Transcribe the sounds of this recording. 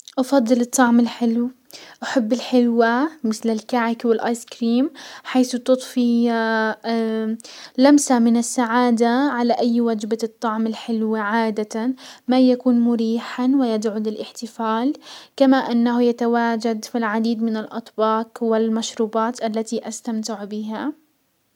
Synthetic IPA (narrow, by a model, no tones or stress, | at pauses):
ʔɑfɑd̪ˤːɨlɨt̪ˤːɑʕmɪlħɪlw | ʔaħabːɪlħɪlwamɪθlɪlkaʕɪkwɪlʔaːjskɾiːmħaːθt̪ɨt̪ˤfi | lamsamɪnɪsːaʕaːd̪aʕalaʔajːwad͡ʒbat̪ˤːɑʕmɪlħɪlwaʕaːd̪at̪amajakuːnmʊɾiːħawɪjad̪ʕʊlɪlʔɪħt̪ɪfaːlkamaʔɪnːaɦjat̪awaːd͡ʒad̪filʕad̪iːd̪mɪnɪlʔɑ̰t̪ˤbɑːqwɪlmaʃɾuːbɑːt̪ʔalːat̪iʔast̪amt̪ɪʕbɪɦa